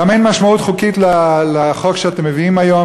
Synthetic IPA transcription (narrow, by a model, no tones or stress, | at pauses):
amejnmaʃmautχukitlaleχo̞kʃeate̞mːeviimajo̞